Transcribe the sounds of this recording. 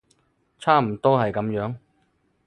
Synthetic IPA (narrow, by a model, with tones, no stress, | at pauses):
t͡sʰaː˥m̩˨˩t̪ɔː˥hɐ˨jkɐ˨˧˥mjœː˨˥ŋ